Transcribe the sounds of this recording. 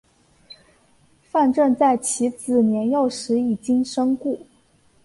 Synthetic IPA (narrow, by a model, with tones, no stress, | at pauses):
fa˥˧nʈ͡ʂə˥˧nt͡sa˥˩ɪt͡ɕʰi˧˥t͡sɹ̩˨˩njɛ˧˥njo˥˩ʊʂɻ̩˧˥i˨˩t͡ɕi˥ŋʂɤ˥ŋku˥˩